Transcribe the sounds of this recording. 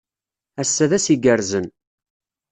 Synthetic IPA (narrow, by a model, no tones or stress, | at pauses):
æsːæðæsiɡəɾzən